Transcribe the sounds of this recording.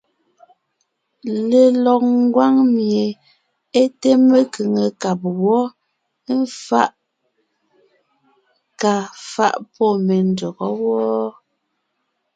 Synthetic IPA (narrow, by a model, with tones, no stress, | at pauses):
le˨lɔ˨k̚ŋ˦ɡwa˦ŋmje˨ | e˦te˦me˦kɯ˨ŋə˨ka˨p̚wɔ˦ | n̩˦fa˦ʔ | ka˨fa̰˦˨ʔpɔ˦˨me˨n˨do˨ɣɔ˦wɔː˦